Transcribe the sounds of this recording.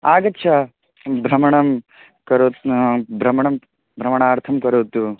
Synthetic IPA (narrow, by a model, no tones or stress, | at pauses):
aːɡɐtːʃʰɐ | bʱɾɐmɐɳɐm | kɐɾot̪bʱɾɐmɐɳɐm | bʱɾɐmɐɳaːɾt̪ʰɐmkɐɾuːt̪ːu